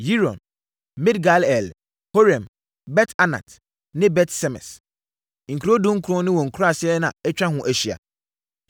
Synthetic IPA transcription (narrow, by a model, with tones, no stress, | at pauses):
ji˦ɾɔ̰̃˨n | mɪ˦dɡa˨lɛ˨l | ho˦ɾɛ̃˨m | bɛ˦tʰa˦nã̰˨t | nɪ̃˦bɛ˦tsɛ˦mɛ̰̃˨s | ŋ̩˨kʰɾo˦dũ˦ŋ̩˦kʰɾɔ̃˦nɪ̃˦wɔ̃˨ŋ̩˨kʰu˦ɾa˨sɪ˦ɛ˦nã˨ɛ˦t͡ɕᶣɾã˦ɦʊ̃˨ʔæ˨ɕi˨a̰˨